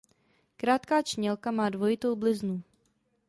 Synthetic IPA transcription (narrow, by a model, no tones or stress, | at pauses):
kɾaːt̪kaːt͡ʃɲɛlkamaːdvo̞jɪt̪o̞wblɪznu